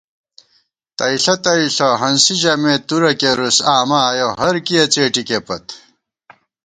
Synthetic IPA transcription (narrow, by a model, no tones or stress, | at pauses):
t̪ɐiɬɐt̪ɐiɬoɦɐnsiʑɐmet̪uɾɐkeɾusaːmaːjoɦɐɾkiɐt͡seːʈikepɐt̪